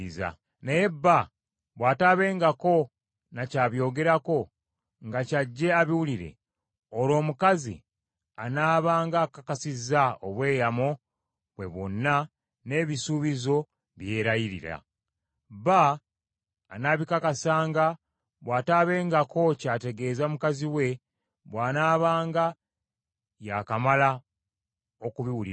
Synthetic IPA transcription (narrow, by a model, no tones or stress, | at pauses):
za̰ | neje̞bːa | βwaːtaβe̞ːŋɡako̞ | nacaːβjo̞ːɡe̞ɾako̞ | ŋɡacaɟːe̞aβiwuliɾe̞̰ | olo̞ːmukazḭ | anaːβaːŋɡakakasizaoβwe̞ːjamo | βwe̞̰βo̞̰nːa | ne̞ːβisuβizo̞ | βje̞ːɾajiɾḭɾa̰ | βaː | naβikakasaːŋɡa | βwaːtaβe̞ːŋɡako̞caːte̞ɡe̞ːzamukaziwe̞ | βwaːnaːβaːŋɡa | jakamala | o̞kuβiwulḭ